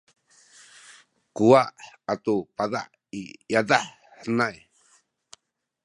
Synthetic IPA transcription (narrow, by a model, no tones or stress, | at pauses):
kuaʔat̪upaða̰ʔ | ijadaħ | ħənaj